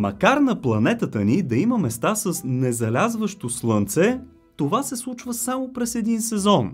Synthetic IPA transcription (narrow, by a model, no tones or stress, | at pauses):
mɐkaɾnɐplˠɐnɛt̪ət̪ənid̪ɐiməmɛst̪asəsnɛzɐlʲazvəʃt̪oslˠənt̪sɛ | t̪ovasɛslˠut͡ʃvəsamopɾɛsɛd̪insɛzɔn